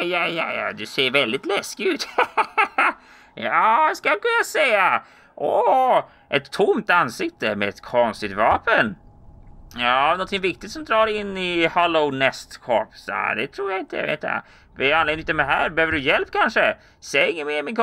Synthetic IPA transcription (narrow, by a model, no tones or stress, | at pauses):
ajaja̰d̪ʉseːɾvɛld̪ɪt̪lɛskɪʉ̟ːt̪ | jɑːskalkʰɵnːasɛja | ʔɔ | ʔɛt̪ʰːʊmt̪ansɪkt̪əmɛɛt̪kʰɔnst̪ɪt̪vɑːpən | jɑːavnɔnt̪ʰɪŋvɪk̚t̪ɪt̪sɔmd̪ɾɑːɾɪnːɪhɑlɔnɛst̪kʰɔ̰pːsa̰d̪ɛ̰t̪ʰɾuːɾjaɪnt̪əja̰vḛːt̪ːja̰ | vɛanleːnɪt̪md̪ɛɦæ̰ːɾbɛhøːvəɖɵjɛlp̚kʰanʂə | sɛɪŋːənmeːɾmɪnkʰ